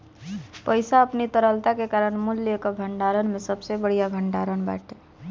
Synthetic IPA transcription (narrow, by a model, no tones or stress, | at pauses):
pəɪsaəpnit̪əɾəlt̪akekaɾəɳmulːekəbʱəɳɖaɾənmesəbsebəɽ̤ijabʱəɳɖaɾənba̰ʈe